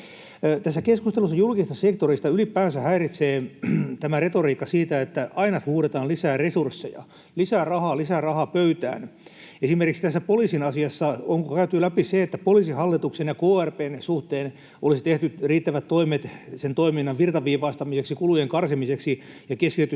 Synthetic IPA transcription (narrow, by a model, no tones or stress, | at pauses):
t̪æsːækeskust̪elus̬ːɑjulkist̪ɑsekt̪orist̪ɑylipæːnsæhæirit̪seːt̪æmæret̪oriːkːɑsiːt̪æet̪ːæʔɑinɑt̪huːɾet̪ɑːlisæːresursːejɑ̰ | lisæːrɑhɑːlisærɑhɑpøyt̪æ̰ːn | esimerkiksi̥t̪æsːæpolisinɑsiɑsːɑoŋkokæyt̪yːlæpiseet̪ːæpolisihɑlːit̪uksenjɑkoːærpeːnsuht̪eːn | ʔo̰lisit̪eht̪yriːt̪ːæʋæt̪t̪oimet̪sent̪oiminːɑʋʋirt̪ɑʋiːʋɑːst̪ɑmiseksikulujeŋkɑrsimiseksi | jɑkeskit̪yt̪y